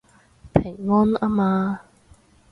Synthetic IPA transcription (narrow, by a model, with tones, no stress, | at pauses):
pʰe˨˩ŋŋɔː˥na˦˥maː˧